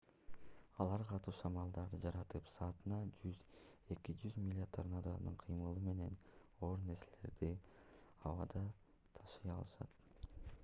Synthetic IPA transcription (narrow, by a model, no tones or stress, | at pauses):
ɑlˠɑɾqʰɑt̪uːʃɑmɑlˠd̪ɑɾd̪ɯd͡ʒɑɾɑt̪ɯpsɑːt̪ɯnɑd͡ʒyze̞kid͡ʒyzmʲilʲɪt̪ʰoɾnɑd̪ɑmɯɴqʰɯjmɯlˠɯme̞ne̞n | o̞ːɾne̞ɾsele̞̰ɾd̪i | ɑ̰wɑd̪ɑ | t̪ʰɑʃɯjɑlˠɯʃɑ̰t̪